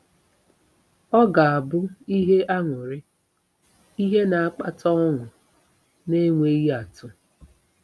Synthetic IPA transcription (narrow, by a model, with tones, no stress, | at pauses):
ɔ˦ɡa˨a˨bʊ˦i˦ɦe˦ʔa˦ŋʷʊ˨ɾɪ˦ | i˦ɦe˦na˨a˦k͡pa̰˦tʰɔ˦ɔ˦ŋʷʊ˨ | ne˦ŋʷe˦i˦ja˨tʊ˦